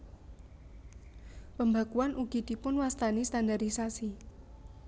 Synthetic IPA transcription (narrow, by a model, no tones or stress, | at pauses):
pəmbakuanʔuɡ̥i̤d̪̥i̤pʊnwast̪anist̪andaɾisasi